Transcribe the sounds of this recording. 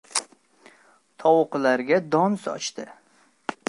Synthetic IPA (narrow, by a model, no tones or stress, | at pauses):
t̪ʰɒwqlaɾɡʲad̪ɒnsɒ̰t͡ʃt̪ɪ